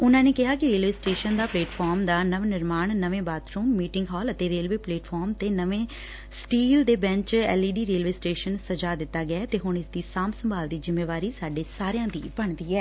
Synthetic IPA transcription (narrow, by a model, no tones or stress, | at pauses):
ʊnãːneːkɪɦaːkɪɾeːlʋeːsʈeːʃənd̪aːpleːʈpʰɔːɾmd̪aːnəʋnɪɾmaːɳnəʋẽːbaːt̪ɾuːmːiːʈɪŋɡɦɔːlət̪eːɾeːlʋeːpleːʈpʰɔːɾmt̪eːnəʋẽː | sʈiːld̪eːbɛ̃ɲt͡ʃɛ̰ːliːɖiːɾeːlʋeːsʈeːʃənsəd͡ʒaːd̪ɪt̪ːaːɡɪaːt̪eːɦʊɳɪsd̪iːsaːmsəmbaːld̪iːzɪmːeːʋaːɾiːsaːɖeːsaːɾejãːd̪ḭːbəɳd̪iːɛː